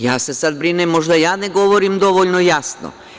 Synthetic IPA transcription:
jaːsesad̪̚bɾinemːo̞ʒd̪ajaːneɡo̞ʋoɾimd̪o̞ʋoʎnojasno̰

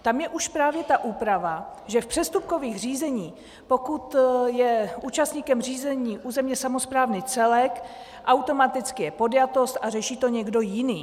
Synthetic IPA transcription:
t̪amjɛʔuʃpɾaːvjɛt̪aʔuːpɾavaʒɛfpr̥ɛst̪up̚ko̞viːxr̝iːzɛɲiː | po̞kut̪jɛʔuːt͡ʃast̪ɲiːkɛmr̝iːzɛɲiːʔuːzɛmɲɛsamo̞spɾaːvniːt͡sɛlɛk | ʔawt̪o̞mat̪ɪt͡skɪjɛpo̞djat̪o̞st̪arɛʃiːt̪o̞ɲɛɡdo̞jɪniː

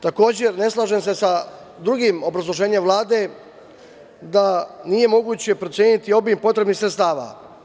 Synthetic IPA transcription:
t̪ako̞ːd͡ʑe̞ɾne̞slˠaːʒe̞msesa | d̪ɾuɡimo̞bɾazlˠo̞ʒe̞ːɲe̞mʋlˠaːd̪e̞ | d̪anije̞mo̞ɡuːt͡ɕe̞pɾotsje̞ːnit̪io̞biːmpo̞t̪ɾe̞bnixsɾet̪st̪aːʋa̰

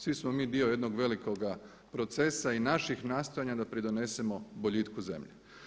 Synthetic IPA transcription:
sʋismomiːd̪io̞je̞d̪noɡʋe̞liko̞ɡa | pɾo̞t̪se̞sainaʃixnaːst̪ojaɲad̪apɾid̪o̞ne̞semo̞boʎit̪kuze̞̰mʎe

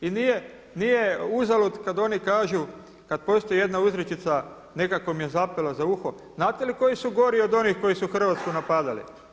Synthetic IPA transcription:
inije | nije̞uzalut̪kad̪o̞nikaːʒu | kad̪̚po̞st̪oije̞d̪nauzɾet͡ʃit̪sa | ne̞kakomjezapelazauxo | znaːt̪eliko̞jisuɡo̞ɾio̞d̪o̞nixko̞jisuxr̩ʋat̪skunapad̪alḭ

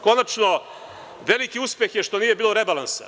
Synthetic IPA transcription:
ko̞nat͡ʂno | ʋelikiuspjexje̞ʃʂt̪o̞niːjebiːloɾebalˠansa̰

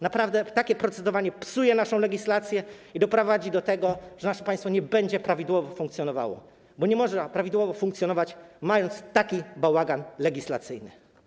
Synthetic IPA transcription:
napɾavd̪ɛt̪akʲɛpɾɔt̪sɛd̪ɔvaɲɛpsujɛnaʂɔ̃w̃lɛɡʲislat̪sʲjɛ | id̪ɔpɾɔvad͡ʑid̪ɔt̪ɛɡɔʐ̥ɛnaʂɛpaj̃st̪fɔɲɛbɛɲd͡ʑɛpɾavʲid̪wɔvɔfuŋk̚t̪ʲjɔnɔva̰wɔ̰ | bɔɲɛmɔʐnapɾavʲid̪wɔvɔfuŋkt̪sjɔnɔvat͡ɕmajɔnt̪st̪akʲibawaɡanlɛɡʲisla̰t̪sɘjnɘ̰

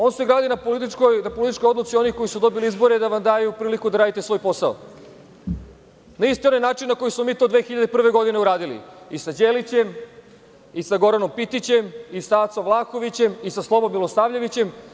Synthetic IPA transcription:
o̞ːnse̞ɡɾaːd̪inapolit̪ikojnapo̞lit̪it͡ʃkojo̞d̪lot̪sio̞niko̞jisud̪o̞biliizbo̞ɾed̪aʋamd̪aːjupɾiːlikud̪aɾaːd̪it̪e̞sʋo̞jpo̞sao̰ | naist̪ionojnaːt͡ʃinnako̞jismo̞miːt̪od̪ʋeːxiʎad̪eipr̩ʋe̞ɡo̞d̪ine̞uɾaːd̪ilḭisad͡ʑeːlit͡ɕe̞m | isaɡo̞ɾano̞mpit̪it͡ɕe̞misaːt̪soʋlˠaːxo̞ʋit͡ɕe̞misaslˠo̞bo̞mːilo̞saːʋʎeʋit͡ɕe̞m

